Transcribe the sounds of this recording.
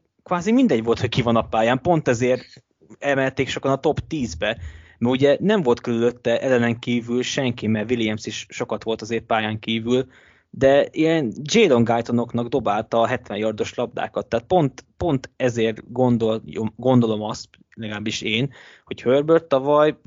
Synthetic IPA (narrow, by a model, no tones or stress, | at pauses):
kʋaːzimind̪ɛɟʋo̞lt̪ho̞ckivɒnɒpaːjaːmpo̞nt̪ɛzeːrt̪ | ɛmɛlt̪eːkʃo̞kɒnɒt̪o̞pt̪iːzbɛ | mɛuɟɛnɛɱvo̞lt̪kølyløt̪ːɛʔɛlɛnɛŋkiːvylʃɛŋkimɛrʋiljɛmsiʃːo̞kɒt̪ʋo̞lt̪ɒzeːrpaːjaːŋkiːvyl | d̪ɛijɛnd͡ʒeːlo̞ŋɡajt̪o̞no̞knɒɡd̪o̞baːlt̪ɒːɦɛt̪ʋɛnjɒrd̪o̞ʃlɒb̚d̪a̰ːkɒt̪ːaːt̪̚po̞nt̪po̞nt̪ɛzeːrɡo̞nd̪olomɡo̞nd̪o̞lo̞mɒst̪ | lɛɡɒlaːbːiʃeːn | ho̞chørbørt̪ːɒvɒj